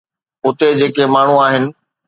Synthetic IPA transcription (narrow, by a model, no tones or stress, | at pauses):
ʊt̪ed͡ʑeːkemaːɳ̤uaːɦɪnɪ̆